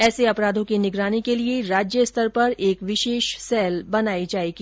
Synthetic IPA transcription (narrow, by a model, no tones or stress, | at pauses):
ɛːseɐpɾaːd̪ʱõkinɪɡɾaːnekelieɾaːd͡ʒjəst̪ʰəɾpɐɾeːkʋɪʃeːʃsɛːlbɐnaːid͡ʒaːeːɡiː